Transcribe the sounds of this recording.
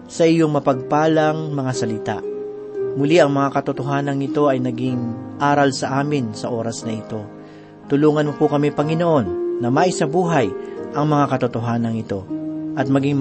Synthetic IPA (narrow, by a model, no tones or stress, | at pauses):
sɐʔɪjoŋmɐpɐɡ̚paːlɐŋmɐŋasɐlɪt̪a̰ʔ | mʊliʔɐŋmɐŋakɐt̪ʊt̪oɦaːnɐŋɪt̪o̞ʔɐjnɐɡɪŋʔaːɾɐlsɐʔaːmɪnsɐʔo̞ːɾɐsnɐʔɪt̪o̞ | t̪ʊluːŋɐnmokokɐmipɐŋɪnoʔo̞nːɐmaʔɪsɐbuːɦɐjʔɐŋmɐŋakɐt̪ʊt̪oɦaːnɐŋɪt̪o̞ʔɐt̪̚mɐɡiŋ